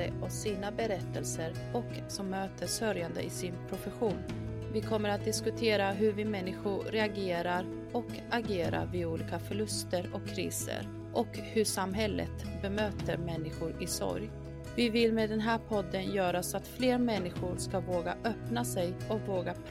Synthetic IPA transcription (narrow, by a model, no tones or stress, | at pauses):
əɔsiːnabɛɾɛt̪ːəlsəɾ | ɔk | sɔmːøːt̪ʰəʂœɾjand̪ə̰ʔɪsɪnpʰɾʊfɛɧuːn | vɪkʰɔmːəɾat̪̚d̪ɪskɵt̪ʰeːɾaɦɵɾvɪmɛnːɪɧʊɾɛaɡeːɾaɾ | ɔk | aɡeːɾa̰vɪuːliːkafœɭɵst̪əɾɔkʰːɾḭːsə̰ɾ | ʔɔkhɵʂamɦɛlːə̰t̪bɛmøːt̪əɾmɛnːɪɧʊɾɪsɔ̰ɾj | vɪvɪlmeːd̪ɛnɦæːɾpʰɔd̪ːənjœːɾaɔsɔat̪fleːɾmɛnːɪɧʊɾskavoːɡa̰ʔœpnasɛjɔkvoːɡapʰ